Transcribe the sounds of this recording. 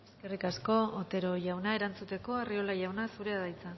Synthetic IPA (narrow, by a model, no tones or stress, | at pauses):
ske̞rikasko̞ːt̪e̞ɾo̞ʝawnae̞ɾant͡sut̪e̞ko̞ario̞laʝawnasuɾe̞aðajt͡sa